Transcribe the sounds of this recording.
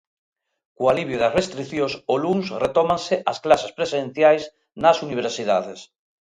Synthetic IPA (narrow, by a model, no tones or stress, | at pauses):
kualiβjoðarest̪ɾiθjosolunsret̪omãnseʔasklasespɾesen̟θjajs | nasuniβ̞eɾsiðaðes